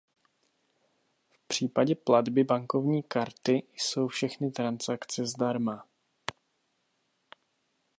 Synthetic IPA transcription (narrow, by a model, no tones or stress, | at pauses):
fpr̝̥iːpaɟɛpladbɪbaŋko̞vɲiːkaɾt̪ɪjso̞wfʃɛxnɪt̪ɾansakt͡sɛzdaɾma